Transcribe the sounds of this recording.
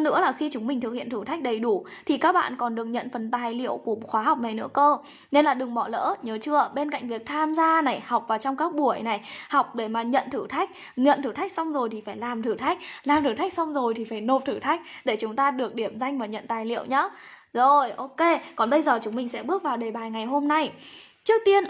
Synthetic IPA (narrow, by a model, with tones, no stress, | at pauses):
nɨ̰˧˥əlaː˨˩xi˧t͡ɕʊ˨˦ŋ͡mmï˨˩ŋt̪ʰɨ˨˩k̚hḭ˧˨ənt̪ɨ˧˩t̪a˦˥jk̚ɗə˨˩jɗu˧˩ | t̪ʰi˨˩kaː˦˥k̚ɓa̰ː˧˨nkɔ˨˩nɗɨ˨˩ək̚ɲə̰˧˨nfə˨˩nt̪aː˨˩jlḭ˧˨əwku˧˩ə˨˩xwaː˨˦ɦa˨˩wk͡p̚na˨˩jnɨ̰˧˥əkəː˧ | ne˧nlaː˨˩ɗɨ˨˩ŋɓɔ˧˩lə̰ː˧˥ɲəː˨˦t͡ɕɨ˧əɓe˧nka̰˧˨jŋ̟vi˨˩ək̚t̪ʰaː˧mzaː˧na˨˩jha˨˩wk͡p̚vaː˨˩wt͡ɕɔ˧wŋ͡mkaː˦˥k̚ɓu˧˩əjna˨˩jha˨˩wk͡p̚ɗe˧˩maː˨˩ɲə̰˧˨nt̪ʰɨ˧˩t̪ʰa˦˥jk̟̚ | ɲə̰˧˨nt̪ʰɨ˧˩t̪a˦˥jk̟̚sa˧wŋ͡mzo˨˩jt̪ʰi˨˩faː˧˩jlaː˨˩mt̪ʰɨ˧˩t̪ʰa˦˥jk̟̚laː˨˩mt̪ʰɨ˧˩t̪ʰa˦˥jk̚sa˧wŋ͡mzo˨˩jt̪ʰi˨˩faː˧˩jno˨˩p̚t̪ʰɨ˧˩t̪ʰa˦˥jk̟̚ɗe˧˩t͡ɕʊ˨˦ŋ͡mt̪aː˧ɗɨ˨˩ək̚ɗi˧˩əmza˧jŋ̟vaː˨˩ɲə̰˧˨nt̪aː˨˩jlḭ˧˨əwɲaː˨˦ | zo˨˩jʔo˧ke˧kɔ˨˩nɓə˧jzəː˨˩t͡ɕʊ˨˦ŋ͡mmï˨˩ŋsɛ̰˧˥ɓɨ˦˥ək̚vaː˨˩wɗe˨˩ɓaː˨˩jŋa˨˩jɦo˧mna˧jt͡ɕɨ˦˥ək̚t̪i˧ən